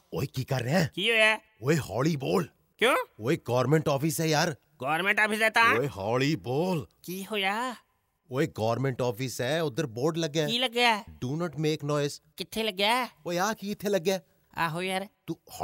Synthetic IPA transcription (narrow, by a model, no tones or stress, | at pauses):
oːikikɐɾːɦɛ̃ːkiːɦoːjaː | oːeɦɔːliboːl | kjõːoːeɡɔːɾmẽɳʈɔːfɪsɦɛjaːɾ | ɡɔːɾmẽɳʈɔːpʰɪsɛːt̪ãːoːeɦɔːliboːlkiːɦoːjaː | oːeɡɔːʋɾmẽɳʈɔːpɪsɦɛːʊd̪əɾboːɾɖlɐɡːailəɡjaɖuːnɔʈmeːknɔːɪzkɪt̪ʰːeləɡjaːoːeaːkikɪt̪ʰːelɐɡːjaː | a̰ːɦoːijaɾt̪uː